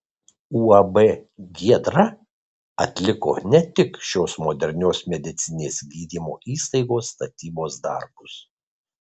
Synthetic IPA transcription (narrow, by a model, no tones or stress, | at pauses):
uːɐbɛɡʲiɛd̪ɾɐ | ɐt̪ʲlʲɪko̰ːnʲɛt̪ʲɪkʃʲoːsmoːd̪ʲɛɾʲnʲoːsmʲɛd̪ʲɪt̪sʲɪnʲeːsɡʲiːd̪ʲiːmo̰ːʔiːst̪ɐɪɡoːsːt̪ɐt̪ʲiːboːsd̪ɐ̰ɾbʊs